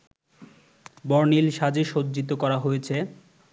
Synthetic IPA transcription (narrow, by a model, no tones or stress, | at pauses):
bɔɾnilʃad͡ʑeʃod͡ʑd͡ʑit̪̬okɔɾaɦojet͡ɕʰe